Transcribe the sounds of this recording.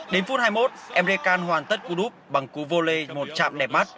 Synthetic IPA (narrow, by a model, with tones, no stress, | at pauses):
ɗe˨˦nfu˦˥t̚haː˧jmo˦˥t̚ʔɛ˧mze˧kaː˧nɦwaː˨˩nt̪ə˦˥t̚ku˧ɗu˦˥p̚ɓa˨˩ŋku˨˦vo˧le˧mo˨˩t̚t͡ɕa̰ː˧˨mɗɛ˨˩p̚ma˦˥t̚